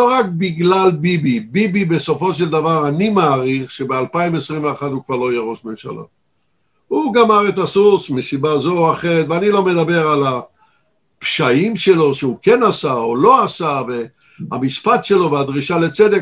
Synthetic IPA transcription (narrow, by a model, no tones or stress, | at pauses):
loʁak̚biɡlalbibibibibe̞so̞fo̞ʃ̬eld̪avaʁanimaːʁiχʃe̞bealpaimesʁimveaχat̪ukvaʁlo̞jeʁo̞ʃme̞mʃa̰lʔa̰ | uɡamaʁetasusmisibazoaχe̞ʁet̪veanilo̞me̞d̪abe̞ʁala | pʃaimʃe̞lo̞ʃeukenasaolo̞asave̞ | a̰miʃpat̪ʃe̞lo̞vead̪ʁiʃalet͡sed̪e